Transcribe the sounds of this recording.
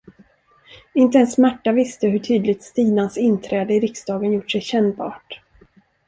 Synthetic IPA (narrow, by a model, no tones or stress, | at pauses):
ɪnt̪əɛnsmæʈːavɪst̪əɦɵʈʰyːd̪lɪt̪st̪iːnansɪnt̪ʰɾɛːd̪əɪɾɪksd̪ɑːɡənjʊʈːʂɛjɕɛnbɑ̰ːʈ